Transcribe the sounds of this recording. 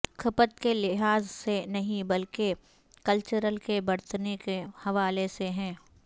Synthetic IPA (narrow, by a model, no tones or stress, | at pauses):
kʰɐpət̪kelɪɦaːzsenɐɦĩbɐlke | kɐlt͡ʃəɾəlkebɐɽt̪nekehɐʋaːleseɦɛ̃ː